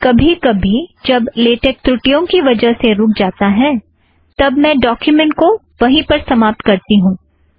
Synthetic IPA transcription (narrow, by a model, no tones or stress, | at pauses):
kɐbʱikɐbʱid͡ʒɐbleːʈek̚t̪ɾʊʈijõkiʋɐd͡ʒəɦseɾʊːk̚ʰd͡ʒaːt̪aɦɛ̃ː | t̪ɐbmɛ̃ːɖɔːkjumɛ̃ɳʈ̚ko | ʋɐɦĩpɐɾsɐmaːp̚t̪kɐɾt̪iɦũː